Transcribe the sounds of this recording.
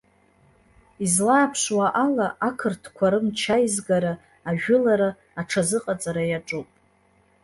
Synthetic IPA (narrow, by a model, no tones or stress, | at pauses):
izlaːpʰʂwaʔalaʔakʰɨrtʰkʷʰaɾɨmt͡ʃʰajizɡaɾa | aʒᶣʊlaɾa | aʈ͡ʂʰazɨqʼat͡sʼaɾajaʈ͡ʂʼupʼ